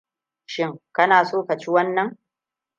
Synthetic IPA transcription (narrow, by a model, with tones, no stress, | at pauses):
ʃɪ˦ŋkɐ˦naː˨soː˦kɐ˨t͡ʃi˦wɐ˦nːɐ˨˦ŋ